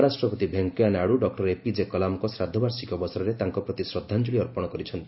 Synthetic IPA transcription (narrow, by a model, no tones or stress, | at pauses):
ɾasʈɾɔpɔt̪ibʱeŋkɔjanaɽuɖɔk̚ʈɔɾepid͡ʒekɔlamɔkɔsɾad̪ʱːɔbaɾsikɔbɔsɔɾɔɾet̪aŋkɔpɾɔt̪isɾɔd̪ʱːand͡ʒuɭiɔɾpɔɽ̃ɔkɔɾit͡ʃʰɔnt̪i